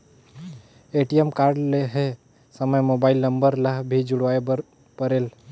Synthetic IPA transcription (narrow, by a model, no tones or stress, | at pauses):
eʈiemkaɾɖleɦe | səməjmobaɪilnəmbəɾlaɦbʱid͡ʒuɽʋaeb | pəɾel